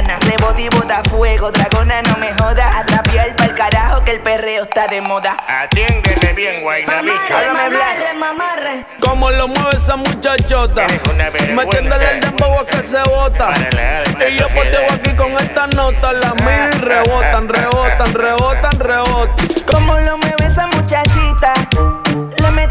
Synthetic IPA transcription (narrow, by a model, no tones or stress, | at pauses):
nareβoðiβoðafweɣoðɾaɣonanomeɦoðaʔat̪ɾapjalpaelkaɾahokelpereoest̪aðemoða | aɾaeaemamar | komolomweβes̬amut͡ʃat͡ʃot̪amejend̪aleld̪emboɣwakeseβot̪a | ijopot̪eɣoakikoŋest̪anot̪alamiðireβot̪anreβot̪anreβot̪anreβot̪akomolomweβesamut͡ʃat͡ʃit̪a | leme